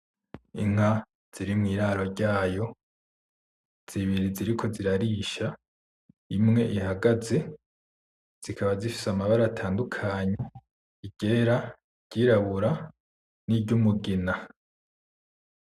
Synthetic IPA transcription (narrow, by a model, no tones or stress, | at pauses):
iŋ̥ha | z̥iɾimŋiːɾaːɾo̞ɾɟaːjo̞ | z̥iβiɾiziɾikʰo̞ziɾaɾiʃa | imŋe̞ʔiɦaɡaze̞ | z̥ikʰaβazifi̥samaβaɾatʰaːndukʰaɲe | iɟe̞ːɾa | ɟ̥iːɾaβuɾa | niɟumuɡina